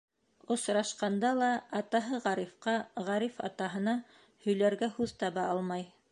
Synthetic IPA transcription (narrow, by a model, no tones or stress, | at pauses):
ŏsɾɑʃqɑnd̪ɑlˠɑɑt̪ɑɦɤʁɑɾifqɑʁɑɾifɑ̰t̪ɑɦɤ̆nɑ | hɵ̆jlæɾɡæhʉðt̪ɑβɑʔɑlˠmɑj